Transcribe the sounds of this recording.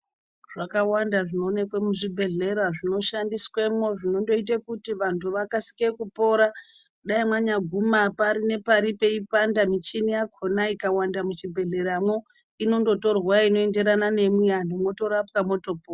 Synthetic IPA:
ʐ̥akawandaʐino̞ːne̞kwemuʐibʱe̞ɮe̞ɾaʐino̞ʃandiswemwo̞ʐino̞ndo̞it̬akutiʋantʰuʋakasi̥kekupo̞ɾa | ɗaimwaɲaɡʱumapaɾine̞paɾipe̞ipandamit͡ʃinijakʰo̞naikawandamut͡ʃibʱe̞ɮe̞ɾamwo | ino̞ndo̞to̞rwaino̞e̞nde̞ɾanane̞mwiandomo̞to̞ɾapkamo̞to̞po

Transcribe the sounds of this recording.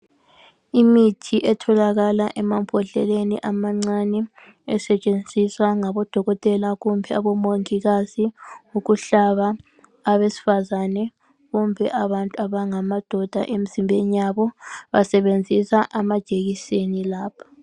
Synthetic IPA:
imitʰiʔɛtʰɔlaɣalaʔɛmampʰʼɔɬɛ̰lenḭʔamaŋ͡ǀanɛ | ɛsɛt͡ʃʼend͡zʱiswaŋaβɔd̥ʱɔɣɔtʼɛlaɣumbʱɛaβɔmoŋiɣaziuɣuɬaβaː | βesi̥fazanɛ | ɣumbʱɛʔaβantʼuaβaŋamad̥ʱɔd̥ʱa̰ʔem̩z̥imbʱenijaβɔβa̰sɛβend͡zʱisaʔamad̥ʒ̥ʼʱeɣisenilaːpʰḁ

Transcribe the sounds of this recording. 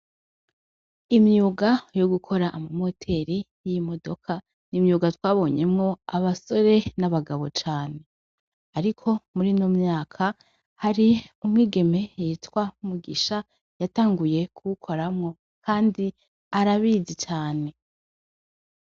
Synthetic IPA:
imɲuːɡajoɡukʰo̞ɾaʔːmamo̞tʰe̞ɾi | jimo̞do̞kʰa | nimɲuːɡatwaːβo̞ːɲe̞mŋo̞aβaso̞ɾe̞naβaɡaβo̞t͡ʃaːne̞ | aɾikʰo̞muɾinomɲaːkʰa | haɾiumŋiːɡe̞me̞jitwamuɡiʃa | jataːŋɡuje̞kʰuukʰo̞ɾamŋo̞ | kʰaːndi | aɾaβizit͡ʃaːne̞

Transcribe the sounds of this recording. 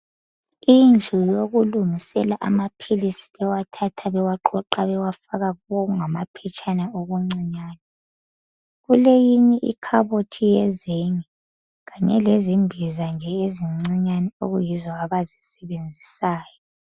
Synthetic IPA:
ind͡ɮʱujoɣulumisɛlaʔa̰mapʰilisi̥βɛwatʰatʰaβɛwaǃɔǃaβɛwafaɣaɣuβoɣuŋamapʰɛt͡ʃʰʼanaoɣuŋ͡ǀiɲaːnɛ | ɣulejiɲɛʔḭkʰaβotʰijɛzeŋi | ɣaɲɛ̰lezimbʱizand͡ʒʱɛeziŋ͡ǀiɲanɛoɣujizɔaβazisɛβend͡zʱisaːjɔ

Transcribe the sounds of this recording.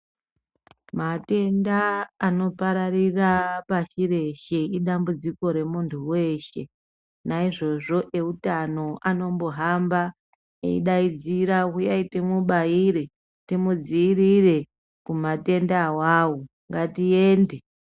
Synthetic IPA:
mate̞ndaːno̞paɾarirapaʃiɾe̞ʃe̞iɗambud͡ziko̞ɾe̞muntʰuwe̞ːʃe̞ | naiʐo̞ʐo̞ʔe̞utano̞ʔano̞mbo̞ɦamba | ḛḭɗaid͡ziɾakujaitemuɓaiɾe | timud͡ziːɾire̞ | kumate̞ndawawo | ŋɡatijeːnde

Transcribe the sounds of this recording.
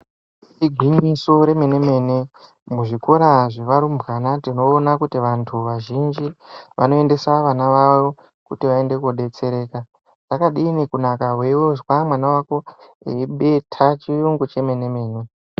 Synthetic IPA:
iɡʱwiɲiso̞ɾe̞me̞ne̞me̞ːne | muʐiko̞ɾaʐeʋaɾumbɣanatino̞ːnakutiʋantʰuʋaʒind͡ʒiʋa̰no̞e̞nde̞saʋanaʋaʋo | kutiʋae̞nde̞kuɗe̞t͡se̞ɾe̞ːka | ʐakaɗiːnekunakaɦwewoʐwamwanawako̞̰ | eɓe̞tʰat͡ʃijuŋɡut͡ʃe̞me̞ne̞me̞ːne

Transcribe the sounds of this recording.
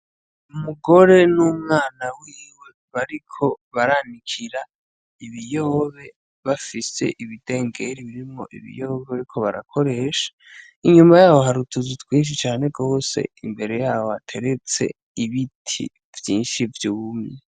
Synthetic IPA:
umuɡo̞ɾe̞numŋaːnawiːwe̞ | βaɾikʰo̞βaɾanikʰiɾa | iβijoːβe̞ | βafise̞̰ʔiβide̞ːŋɡe̞ɾiβiɾimo̞̰ʔḭβḭjoːβeβaɾikʰo̞βaɾa̰kʰo̞ɾe̞ʃḁ | iɲumajaːhoɦaɾutʰuzutwiːnʃ̬it͡ʃaːne̞ɡo̞ːse̞̰imbe̞ɾe̞jaːhoatʰe̞ɾe̞t͡se̞̰ | iβitʰḭ | vjiːnʃivjuumɲe

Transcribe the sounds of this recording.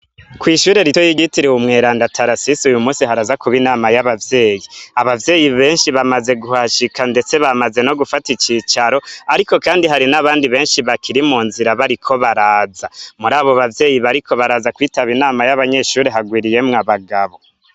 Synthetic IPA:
kwiːʃuːɾe̞ɾitojiɡitiɾeumŋe̞ːɾaːndatʰaɾasisujumuːsihaɾazakuβinaːmajaβavje̞ːjiaβavje̞ːjiβe̞ːnʃiβamaze̞ɡuhaʃikande̞t͡se̞βamaze̞no̞ɡufatit͡ʃiːt͡ʃaɾo̞aɾiko̞kaːndiɦaɾinaβaːndiβe̞ːnʃiβakʰiɾimuːnziɾaβaɾikʰo̞βaɾaːzamuɾaːβoβavje̞ːjiβaɾiko̞βaɾaːzakwiːtaβinaːmajaβaɲe̞ʃuːɾeɦaɡwiɾije̞mŋaβaɡaβo̞

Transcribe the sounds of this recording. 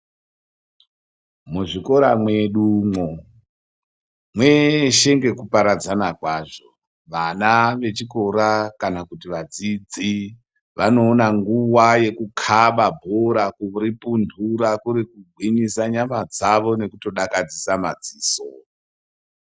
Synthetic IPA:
muʐiko̞ɾamwe̞ɗumo | mwe̞ʃe̞ŋɡe̞kupaɾad͡zanakwaʐo̞ | ʋanaʋe̞t͡ʃiko̞ɾakanakutiʋad͡zid͡zi | ʋano̞ːnaŋɡuwaje̞kukʰaɓabʱoɾakuripundʱuɾakuɾikuɡʱwinisaɲamad͡zaʋo̞ne̞kuto̞ɗakad͡zisama̰d͡ziːso

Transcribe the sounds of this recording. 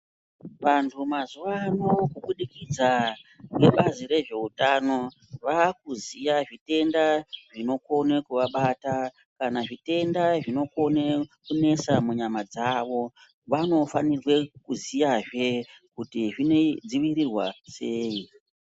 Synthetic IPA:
ʋantʰumazuʋanokuɓuɗikid͡zake̞ɓaziɾe̞ʐe̞utano̞ | ʋakuzijaʐite̞ndaʐino̞ko̞nekuʋaɓata | kanaʐite̞ndaʐino̞ko̞nekune̞samuɲamad͡zaʋo̞ | ʋano̞fanirwe̞kuzijaʐe̞kutiʐine̞d͡ziʋirirwase̞ːi

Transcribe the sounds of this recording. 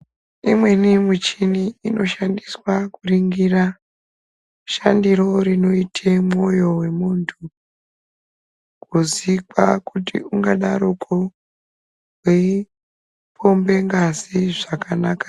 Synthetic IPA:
imwe̞nimut͡ʃiniːno̞ʃandiswakuriŋɡira | ʃandiɾo̞ɾino̞itʰemo̞jo̞we̞muntʰu | kuzika̰kutḭuŋɡaɗaɾukʰo | wwe | pʰo̞mbe̞ŋɡaziʐakanaːkḁ

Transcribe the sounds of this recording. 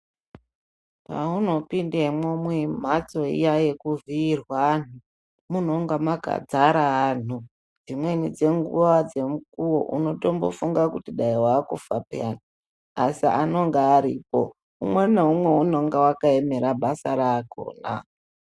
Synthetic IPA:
pauno̞pindemwomwem̤at͡so̞ḭjajekuviːrwan̤u | muno̞ŋɡamaɡʱa̰d͡zaɾaːn̤u | d͡zimwe̞nid͡ze̞ŋɡṵʋad͡ze̞mukuwo̞̰ʔṵno̞tombo̞̰fuŋɡakutiɗaiwaːkufapeani | asia̰no̞ŋɡeːɾḭpo̞ | umweneumwe̞uno̞ŋɡewakaeme̞ɾaɓasaɾako̞̰ːna̰

